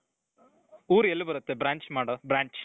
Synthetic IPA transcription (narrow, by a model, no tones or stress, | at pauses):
uːɾelːubɐɾɐt̪ːebɾaːɲt͡ʃmaːɽɐbɾaːɲt͡ʃ